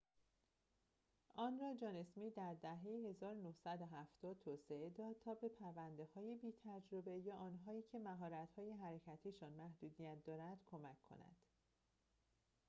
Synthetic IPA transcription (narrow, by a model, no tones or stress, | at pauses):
ʔɒːnrɒːd͡ʒɒːne̞smiːd̪æɾd̪æɦe̞jehe̞zɒːɾonohsæd̪oɦæft̪ɒːd̪̥̚t̪ʰoːseʔe̞d̪ɒːd̪̥̚t̪ʰɒːbe̞pʰæɾvænd̪e̞hɒːje̞biːt̪ʰæd͡ʒɾobe̞jɒːʔɒːnɦɒːiːcʰe̞mæɦɒːɾæt̪hɒːje̞ɦæɾecʰæt̪ʰiːʃɒːnmæhd̪uːd̪ijæt̪̚ʰd̪ɒːɾænd̪̥kʰomækʰːo̞̰næ̰nd̪̥